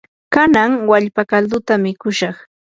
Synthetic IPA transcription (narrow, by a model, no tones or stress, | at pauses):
kanaŋwaʎpakald̪ʊt̪amɪkʊʃɑχ